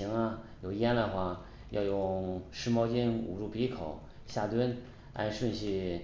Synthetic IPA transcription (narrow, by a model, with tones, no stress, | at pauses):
i˧˥ŋɐ˧jo˨˩ʊjɛ˥nd̪ə˨xwa˥˩ | jɑ˥˧ʊjʊ˥˩ŋʂɻ̩˥˧mɑ˥ʊt͡ɕi˥˩nṵ˨˩ʈ͡ʂu˥˩pi˧˥kʰo˨˩˦ʊ | ɕja˥˩t̪wə˥n | a̰˥˧nʂwə˥˧nɕi˥˩